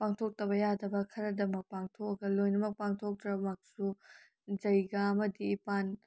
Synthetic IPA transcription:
paŋtʰok̚tɐβɐjadɐbɐkʰɐɾɐdɐmɐk̚paŋtʰokɐɡɐlojnɐmɐk̚paŋtʰok̚tɾɐbmɐk̚su | d͡ʒɐjɡɐɐmɐdiːpan

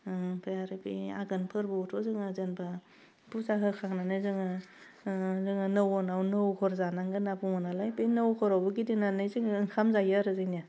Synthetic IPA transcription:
pʰeaɾɯbḭaɡɯnpʰɯɾbɯtʰɔzɯŋɯzɯnbʰa | busaɦɯkʰaŋnanɯjzɯŋɯ | zɯŋɯnɯwɔnawnɯwkʰɔɾzanaŋɡɯnabuŋɔnalajbinɯwkʰɔɾawbɯɡidinanɯjzɯŋɯŋkʰamzajaɾɯzɯnija

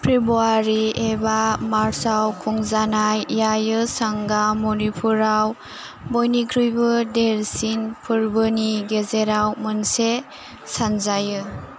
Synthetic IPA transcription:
pʰɾibuaɾiebamaɾsawkʰuŋzanajːajɯsaŋɡamɔnipʰuɾaw | bɔjnikʰɾujbɯdeɾsinpʰɯɾbɯniɡezeɾawmɯnse | sanzajɯ

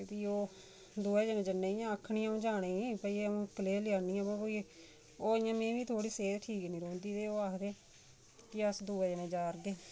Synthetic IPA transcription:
t̪iːoː | d̪uːɛːd͡ʒənẽːd͡ʒənːeːijãːəkʰːɳĩːãːõːd͡ʒaːɽeːipəiːeəũːkəleːlɪjaːniːãːbãːbo | oːɪjãːmẽːʋiːt̪ʰoːɽiːseːt̪ʈʰiːknĩːɾõːnd̪iːt̪eːoːaːkʰd̪eː | kɪəsd̪uːɛːd͡ʒənẽːd͡ʒaːɾɡeː

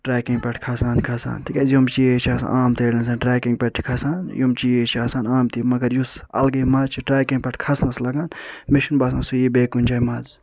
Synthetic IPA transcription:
ʈɾaːkiŋɡpɛʈʰkʰɐsaːnkʰɐsa̰ːnt̪ʰikɐzjomt͡ʃiet͡ʃʰiaːsa̰ʔaːmt̪eːlʲinsaːnʈɾaːkiŋɡ̚pɛʈʰkʰɐsaːnjumt͡ʃijet͡ʃʰiaːsaːnaːmt̪imɐɡɐɾjusɐ̰lɡɐmɐt͡ʃʰiʈɾaːkĩŋɡ̚pʲɛʈʰkʰɐsnslɐɡaːnmiʃinbaːs̬ɐ̃nsujibeːkunʲt͡ʃʰaːjmɐz

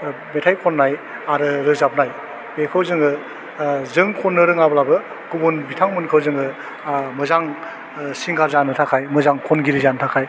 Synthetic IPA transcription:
metʰajkʰonːaj | aɾɯɾɯzap̚naj | bekʰɯwzɯŋɯ | zɯŋkʰonːɯɾɯŋablabɯ | ɡubunbitʰaŋmɯnkʰɯwzɯŋɯ | mɯzaŋ | siŋɡaɾzanɯtʰakʰajmɯzaŋkʰonɡiɾizantʰakʰaj

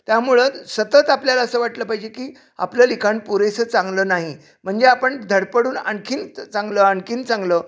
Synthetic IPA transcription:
t̪jamuɭəsət̪ət̪apljalaəsəːʋaʈləpaɦid͡ʑekiː | a̰pləlikʰaɳpuɾesət͡saŋɡləːnaɦi | m̤əɳd͡zeapəɳd̪ʱəɽpəɽuːna̰ɳkʰiːnt͡saŋɡləːəɳkiːnt͡sãŋɡləː

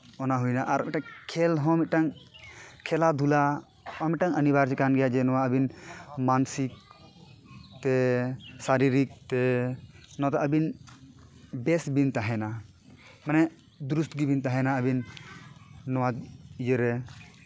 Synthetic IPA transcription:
ɔnaɦujnaʔaɾmiʈaŋkʰɛlɦɔ̃miʈaŋ | kʰɛlad̪ʱula | ɔmiʈaŋənibaɾt͡ʃɛkanɡɛjad͡ʒɛnɔwaəbinmansik̚ | t̪ɛsaɾiɾik̚t̪ɛ | nɔat̪aʔəbin | bɛsbint̪aɦɛna | manɛ | d̪uɾust̪ɡibint̪aɦɛnaəbinː | ɔwad͡ʒəɾɛ

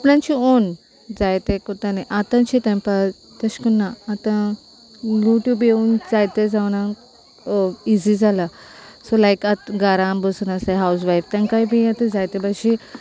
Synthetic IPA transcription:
ɐpnãnt͡ʃion | d͡zajt̪ekot̪aneʔat̪ãt͡ʃit̪ẽmpa | t̪ɐʃkunːaːt̪ã | luʈjubeund͡zajt̪ed͡zaʋnã | izid͡zalasolajkat̪ɡaɾãmbəsunaseɦaws̬ʋajft̪ãŋkajbĩat̪ə̃d͡zajt̪ebaʃi

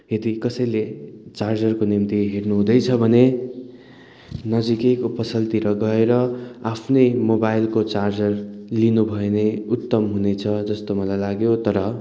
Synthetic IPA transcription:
ɦet̪ikʌsʌjlet͡sard͡zʌrkonimt̪iɦernuɦũd̪ʌjt͡sʰʌbʱʌne | nʌd͡zikekupʌsʌlt̪iɾʌɡʌeɾʌapʰnʌjmobajlkot͡sard͡zʌrlinubʱʌeneut̪ːʌmɦunet͡sʰʌd͡zʌst̪omʌlajlaɡjot̪ʌɾʌ

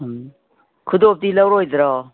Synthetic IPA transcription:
kʰud̪op̚t̪ilawɾojd̪ɾɔ

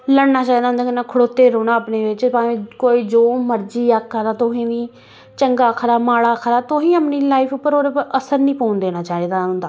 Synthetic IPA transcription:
ləɽnaːt͡ʃaːɦiːd̪aɦʊnd̪aːkɪnãːkʰʊɽoːt̪ːeːɾoːnãːəpneːʋɪt͡ʃpaːẽːkoːiːd͡ʒoːməɾd͡ʒiːaːkːəd̪aːt̪ʊɦĩːʋĩː | t͡ʃəŋɡaːkʰɾaːmaːɽaːkʰɾaːt̪ʊɦĩːəpniːlaːifʰʊpːəɾoːɾəsəɾnĩːpoːʊnd̪eːnaːt͡ʃaːeːd̪aːʊnd̪aː

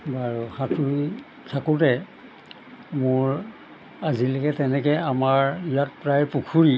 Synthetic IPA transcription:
baɹuhãtu | tʰakutɛ | mʊɹ | azilɛkɛtɛnɛkɛamaɹijat̚pɹajɹpukʰuɹi

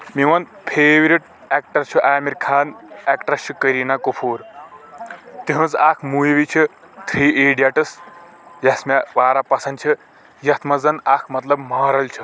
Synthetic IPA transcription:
miwɐnpʰeːwiɾiʈ̚ | ek̚ʈɐɾt͡ʃʰuʔaːmiɾkʰaːnekʈɐt͡ʃʰukəɾinakopʰuːɾ | t̪iɦũzaːkʰmubit͡ʃʰu | t̪ʰɾiːʔeːɖijaʈɐs | jɐsmawaːɾapɐsɐnd̪t͡ʃʰi | jɐt̪ʰmɐzɐnakʰmɐt̪lɐbmaːɾɐlt͡ʃʰu

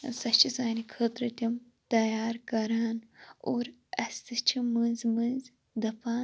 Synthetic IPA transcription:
sɐt͡ʃʰisaːnikʰət̪ɾɐt̪ʲim | t̪ɐjaːɾkɐɾaːnoːɾɐst̪ɨt͡ʃʰimɨnzmɨnz | d̪ɐpaː

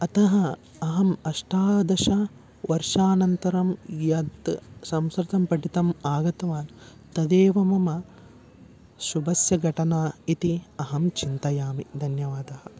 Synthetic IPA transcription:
ɐt̪ɐɦɐ | ɐɦɐmɐʂʈaːd̪ɐʃɐ | ʋɐɾʂaːnɐnt̪ɐɾɐmjɐd̪sɐmskɾɪt̪ɐmpɐʈit̪ɐmaːɡɐt̪ɐʋaːn | t̪ɐd̪eːʋɐmɐmɐ | ʃubʱɐsjɐɡʱɐʈɐnaːit̪iɐɦɐmt͡ʃint̪ɐjaːmid̪ʱɐnjɐʋaːd̪ɐhɐ

